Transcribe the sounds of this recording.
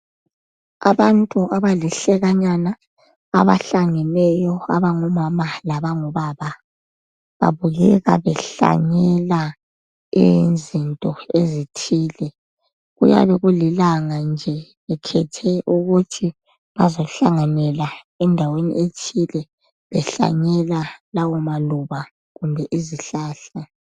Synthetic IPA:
a̰βantʼuʔaβaliɬɛɣaɲana̰ː | βa̰ɬaŋɛlɛjɔa̰βaŋɔmamalaβaŋɔβaβa | βa̰βuɣɛɣa̰βɛɬa̰ɲɛla | inzintʼɔezitʰiːlɛ | ɣṵja̰βɛɣulilaŋand͡ʒʱɛ | βɛkʰɛtʰɛʔuɣutʰi | βazoɬaŋanɛla | ɛndʱawenḭʔet͡ʃʰilɛ | βɛɬa̰ɲɛlalawɔmaluβa | ɣumbʱɛʔiziɬaːɬa

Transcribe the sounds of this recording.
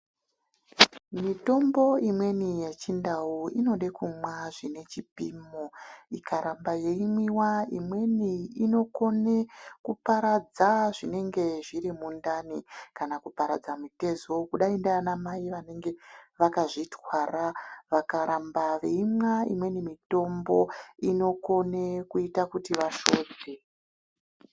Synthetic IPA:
mito̞mbo̞imwe̞nijet͡ʃindauino̞ɗekumwaʐine̞t͡ʃipimoikʰaɾambaje̞imwiwaḭmwe̞niino̞ko̞ne̞kupaɾad͡zaʐine̞ŋɡe̞ʐiɾimundanikanakupaɾa̰d͡zamite̞zokuɗaindaanamaiʋane̞ŋɡe̞ʋakaʐitwaɾaʋakaɾambaʋeimwaḭmwe̞nimito̞mbo̞ino̞ko̞nekuitakutiʋaʃoːd͡ze

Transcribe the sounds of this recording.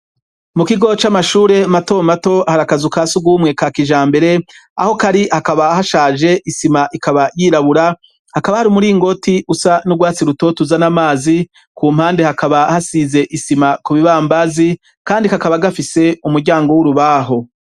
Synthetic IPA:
mukiɡo̞t͡ʃamaʃuːɾe̞mato̞mato̞haɾakazukaːsuɡwuːmŋe̞kakiʒaːmbe̞ɾe̞a̰ho̞kaɾihakaβahaʃaːʒe̞ʔisimaʔikʰaβajiːɾaβuɾa | hakaβahaɾumuɾiːŋɡo̞tiʔusanuɡwaːt͡siɾuto̞tuzanamaːzi | kuːm̥haːnde̞hakaβahasize̞ʔisimakuβiβaːmbazi | kaːndikakaβaɡafise̞umuɾɟaːŋɡo̞wuɾuβaːɦo̞

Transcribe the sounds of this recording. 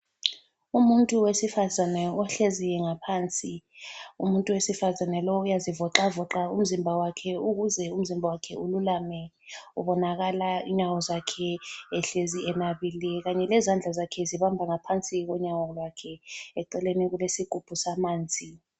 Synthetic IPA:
umuntʼuwesifazanɛɔɬezijɛŋapʰaːnt͡sʼiṵmuntʼuwesifazanɛlɔujazivɔǁavɔǁaum̩zimbʱawakʰɛuk̬uzɛum̩zimbʱawakʰɛ̰ululamɛ | uɓɔnak̬alaḭɲawɔzakʰɛɛɬeziɛnaɓilɛk̬aɲɛlɛzand͡ɮʱazakʰɛziɓambʱaŋapʰant͡sʼik̬ɔɲawɔlwakʰɛɛǃɛleniɣulesiɡ̥ʱub̥ʱusamaːnd͡zʱi

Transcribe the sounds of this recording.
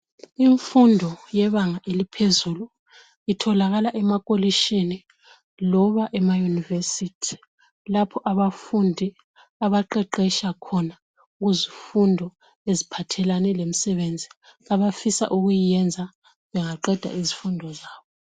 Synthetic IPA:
iɱfundʱɔjɛβaŋaʔelipʰezuːlu | itʰɔlaɣalaʔɛmakʼoliʃini | lɔβaʔɛmajunivesitʰi̥ | lapʰɔʔaβafundʱi | aβaǃɛǃɛʃakʰɔna | uɣuzifundʱɔ | ezipʰatʰɛlanɛlem̩sɛβend͡zʱi | aβafisa̰ʔuɣujijɛnd͡zʱa | βɛŋaǃɛd̥ʱa̰izifundʱɔzaːβɔ

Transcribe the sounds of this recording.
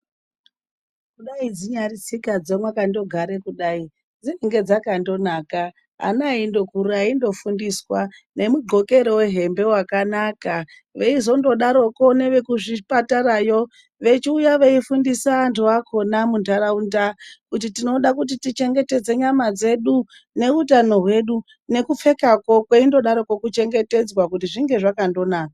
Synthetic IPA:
kuɗaid͡ziɲarisikad͡zemwakando̞ɡʱaɾe̞kuɗai | d͡ziiŋɡe̞d͡zakando̞naːka | a̰naindo̞kuɾuaindo̞fundiswane̞muɡʱo̞ke̞ɾo̞we̞ɦe̞mbe̞wakanaka | ʋe̞izo̞ndo̞ɗaɾo̞ko̞ne̞ʋe̞kuʐipataɾajo | ʋe̞t͡ʃiujaʋe̞ifundisaːntʰuʋakʰo̞namundaɾaundakut̬itino̞ɗakut̬itit͡ʃe̞ŋɡe̞te̞d͡ze̞ɲamad͡ze̞ɗu | ne̞utano̞ɦwe̞ɗu | ne̞kup͡fe̞kako̞kweindo̞ɗaɾokokut͡ʃe̞ŋɡe̞te̞d͡zwakutiʐiŋɡe̞ʐakando̞naːka

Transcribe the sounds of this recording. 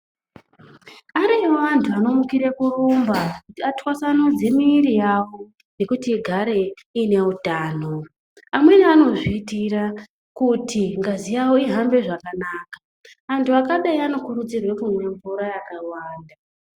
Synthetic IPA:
aɾioʋantʰuano̞mukiɾe̞kurumbakutiatwasanod͡ze̞miːrijawo̞ | ne̞kutiɡʱaɾe̞ | ine̞utaːno̞ | amwe̞nano̞ʐiːtira | kutʰiŋɡazijawoiɦambe̞ʐakanaːka | antʰuakaɗaiano̞kuɾud͡zirwe̞kumwe̞ɱvuɾajakawaːnda

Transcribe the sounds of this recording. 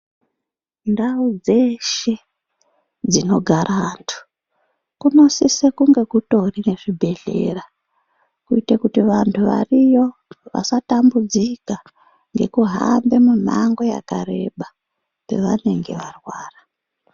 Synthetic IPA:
ndaud͡ze̞ʃe̞ | d͡zino̞ɡʱaɾʔantʰu̥ | kuno̞sisekuŋɡe̞kuto̞rine̞ʐibʱe̞ɮe̞̰ra | kuitekutiʋantʰuʋa̰rijo̞ʋa̰satambud͡zika | ŋɡe̞̰kuɦa̰mbe̞mun̤aŋɡo̞ja̰kare̞̰ɓa | pe̞̰ʋane̞ŋɡe̞̰ʋarwaːra

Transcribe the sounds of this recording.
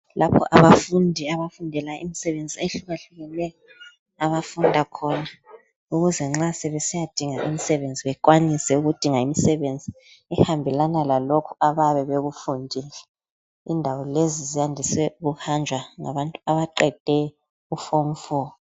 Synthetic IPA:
lapʰɔ̰ʔaβafundʱiaβafundʱɛlaḭmisɛβend͡zʱieɬuɣaɬuɣɛlɛjɔ | aβafundʱakʰɔna | uɣuzɛŋ͡ǁasɛβɛsijad̥ʱiŋaʔimisɛβend͡zʱiβɛkwanisɛuɣud̥ʱiŋaimisɛβend͡zʱi | ɛhambʱɛlanalalokʰuaβaβɛβeɣufundʱilɛ | indʱawɔlezizijandʱisɛuɣuhand͡ʒʱwaŋa̰βantʼuaβaǃɛd̥ʱɛ | ufom̩fɔː

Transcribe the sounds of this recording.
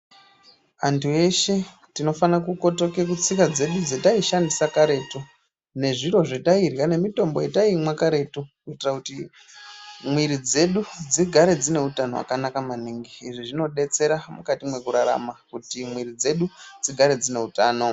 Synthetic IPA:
antʰueʃe̞ | tino̞fanakuko̞to̞kekut͡sikad͡ze̞ɗud͡zetaiʃandisakaɾe̞ːtu | ne̞ʐiɾo̞ʐetairjane̞mito̞mbo̞jetaimwakaɾe̞tukuitirakuti | mwiɾid͡ze̞ɗud͡ziɡʱaɾe̞d͡zine̞utano̞wa̰kanakamaniŋɡiːʐiʐino̞ɗe̞t͡se̞ɾamukatimwe̞kuɾaɾa̰makutimwiɾid͡ze̞ɗud͡ziɡʱaɾe̞d͡zine̞utaːno̞

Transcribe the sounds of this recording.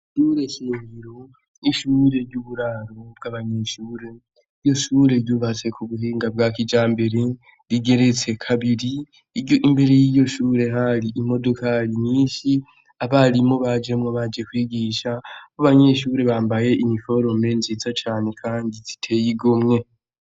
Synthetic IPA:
ʃuɾe̞ʃiːŋɡiɾo̞ | iʃuːɾe̞ɾɟuβuɾaɾo̞b̚ɡaβaɲe̞ʃuːɾe̞ | ijo̞ʃuːɾeɾjuːβat͡se̞kuβuɦiːŋɡab̚ɡaːkid͡ʒaːmbe̞ɾe | ɾiɡe̞ɾe̞t͡se̞kʰaβiɾi | ioʔimbeɾejiːjo̞ʃuːɾe̞ɦaɾiʔimo̞do̞kaɾiniːʃi | aβaɾimo̞βad͡ʒe̞mŋoβad͡ʒe̞kwiːɡiːʃakaβaɲe̞ʃuɾe̞βaːmbaje̞ʔimifo̞ɾo̞me̞nzit͡sat͡ʃaːne̞kʰaːndizi̥tʰe̞jiɡomŋe̞

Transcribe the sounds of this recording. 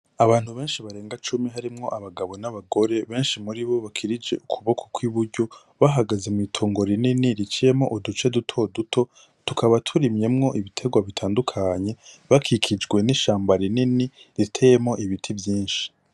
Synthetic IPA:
aβaːnhuβe̞ːnʃiβaɾe̞ːŋɡat͡ʃumiɦaɾimŋo̞ʔaβaɡaβo̞naβaɡo̞ɾe̞βe̞ːnʃimuɾiβo̞βakʰiɾid͡ʒe̞̰ukʰuβo̞kʰokwiβuɾɟo̞ | βaɦaɡaze̞muitʰuːŋɡo̞ɾininiɾit͡ʃije̞mŋo̞ʔudut͡ʃe̞dutʰo̞dutʰo̞ | tukʰaβatʰuɾimje̞mŋo̞ʔiβitʰe̞ɡwaβitʰaːndukʰaɲe̞βakʰikʰid͡ʒɡwe̞niʃaːmbaɾininiɾitʰe̞je̞mŋo̞ʔiβitʰivjiːnʃi̥

